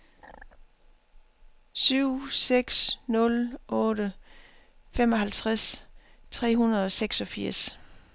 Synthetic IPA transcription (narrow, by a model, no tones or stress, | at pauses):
syʊ̰seɡ̥snɔ̽lʔɔ̽ːɾə | femɒ̽ɦælt͡sʰʁast͡sʰʁɛ̰ːɦunɐð̞ˠɒ̽seɡ̥sɒ̽fiɐ̰s